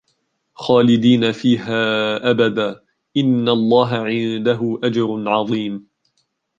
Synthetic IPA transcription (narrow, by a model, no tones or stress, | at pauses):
xaːlɪd̪iːnafiːɦaːʔabad̪aː | ʔɪnːalˤːɑːɦaʕɪnd̪aɦʊʔad͡ʒɑɾˤnʕɑðˤiːm